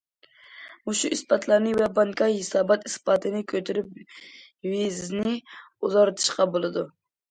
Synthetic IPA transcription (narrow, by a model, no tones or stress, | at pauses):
uʃuʔispɑt̪ʰlˠɑɾnɨvɛbɑŋkʰɑhesɑːbɑt̪ispɑːt̪ʰɨnɨkʲʰøt̪ʰɪɾyp̚ | vizznɪuzɑɾt̪ʰɨ̥ʃqɑbolˠɨd̪u